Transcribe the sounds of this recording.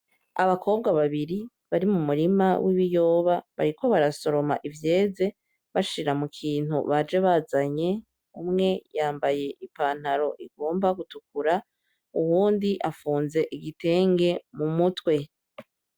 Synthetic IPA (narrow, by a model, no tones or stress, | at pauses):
aβakʰo̞ːbɡaβaβiɾi | βaɾimumuɾimawʔiβijo̞ːβaβa̰ɾiko̞βaɾaso̞ɾo̞ma̰ʔivje̞ːze̞ | βaʃiɾamukʰiːn̥hṵβad͡ʒe̞βazaɲe̞ | umŋe̞jaːmbaje̞ʔipaːn̥haɾo̞ʔiɡo̞ːmbaɡutuk̚uɾa | uwuːndiʔafuːnze̞ʔiɡite̞ːŋɡe̞mumutwe̞